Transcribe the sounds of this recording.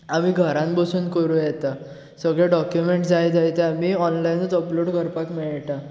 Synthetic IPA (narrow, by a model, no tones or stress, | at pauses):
amiːɡʱəɾãnbəsuːnkəɾũjɛt̪a | səɡɭjaɖɔkjumeɳʈd͡zajd͡z̪ajt̪eamiɔnlainət͡səploɽkəɾpakmiɭʈa